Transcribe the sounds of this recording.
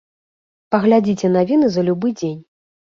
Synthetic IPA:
pɐɣlʲad͡zʲit͡sʲɛnavʲinɨzɐlʲubɨd͡zʲenʲ

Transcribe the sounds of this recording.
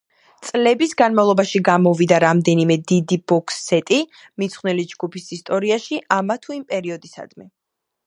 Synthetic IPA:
t̪sʼlɛbisɡanmavlˠɔbaʃiɡamɔvid̪aɾamd̪ɛnimɛd̪id̪ibɔkʰsɛt̪ʼi | mit̪sʰχwnɛlid͡ʒɡupʰisist̪ʼɔɾiaʃiʔamat̪ʰuimpʼɛɾiɔd̪isa̰d̪̥mɛ

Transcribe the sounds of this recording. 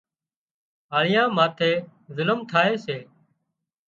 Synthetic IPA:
ɦaːɭɪjãːmaːt̪ʰeːzʊlmt̪ʰaːeːseː

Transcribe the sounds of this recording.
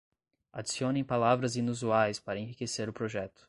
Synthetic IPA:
a̰d͡ʒisiõnẽpalavɾɐzĩnuzuajspaɾɐẽɦikeseɾʊpɾoʒɛt̪ʊ̥

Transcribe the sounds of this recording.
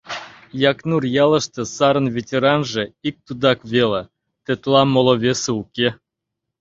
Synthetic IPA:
jɑknurjɑlə̆ʃt̪ɤ̆sɑɾə̆nvʲetʲeɾɑnʒĕik̚t̪ud̪ɑkβele | t̪ĕt̪lɑmolˠoβʲeseukʲe

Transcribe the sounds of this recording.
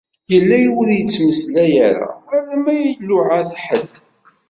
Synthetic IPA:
jəlːæjuɾjət͡sːməslæjaɾa̰æɾæmæjəlːʊʕaθħəd̪

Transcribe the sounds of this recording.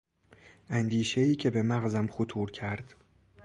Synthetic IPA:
ʔænd̪iːʃe̞iːcʰe̞be̞mæɣzæmxot̪ʰuːɾcʰæɾd̪̥

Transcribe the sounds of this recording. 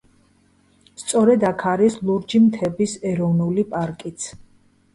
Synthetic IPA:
st̪sʼɔɾɛd̪akʰaɾislˠuɾd͡ʒimt̪ʰɛbisɛɾɔvnulipʼaɾkʼit̪sʰ

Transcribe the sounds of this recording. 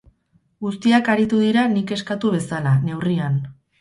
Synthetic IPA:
ɡust̪iakaɾit̪uðiɾanike̞skat̪uβ̞e̞salane̞wrian

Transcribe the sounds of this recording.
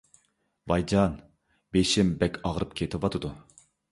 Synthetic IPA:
vɑjd͡ʒɑn | beʃɪmbɛkʲʰɑʁɾɨp̚kʲʰet̪ʰɪvɑt̪ʰɨd̪u

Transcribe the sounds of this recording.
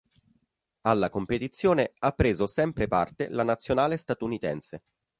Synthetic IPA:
alːakompet̪it̪sːjoːneapːɾeːzosɛmpɾepart̪elanat̪sːjonaːlest̪at̪unit̪ɛnse

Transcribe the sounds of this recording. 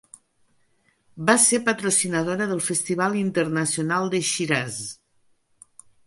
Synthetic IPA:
basepət̪ɾusinəð̞oɾəðəlˠfəst̪iβ̞alˠint̪ərnəsiunalˠd̪əʃiɾaz

